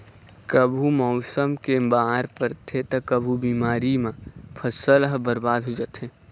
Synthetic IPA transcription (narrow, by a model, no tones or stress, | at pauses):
kəbʱumɔʊsəmkebaːɾpəɾt̪ʰet̪əkəbʱubiːmaːɾimãpʰəsəlɦbəɾbaːd̪ɦod͡ʒət̪ɦẽː